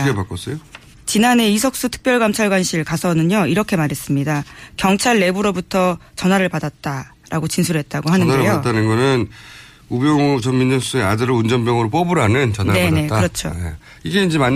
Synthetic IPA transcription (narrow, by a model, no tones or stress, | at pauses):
iɡepak͈os͈ejo | t͡ɕinane̞isʰʌk̚s͈utʰɯ̥k̚p͈jʌɭɡamt͡ɕʰaɭɡwanɕʰiɭkasʰʌnɯɲoiɾʌkʰe̞maɾɦe̞s͈ɯmɲidakjʌŋt͡ɕʰaɭːe̞buɾobutʰʌt͡ɕʌnɦaɾɯɭpadat̚t͈a | ɾaɡot͡ɕinsʰuɾɭɦe̞t̚t͈aɡoɦanɯnaɾɯɭeaot͈anɯnɡʌnɯn | ubjʌŋt͡ɕʌmmind͡ʑʌnsʰusɯeadɯɾound͡ʑʌnbjʌŋɯɾop͈ʌbuɾanɯnt͡ɕʌnane̞ne̞kɯɾʌt͡ɕʰo̰je | iɡe̞ind͡ʑe̞ma